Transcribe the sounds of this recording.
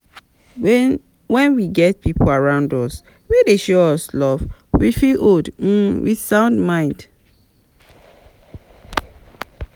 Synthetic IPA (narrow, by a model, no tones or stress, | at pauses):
wɛ̃nwiɡɛt̚pʰipolaɹãʊ̃ndɔs | wedeʃoɔslɔvwifilod̩wḭsãʊ̃ndmãɪ̃nd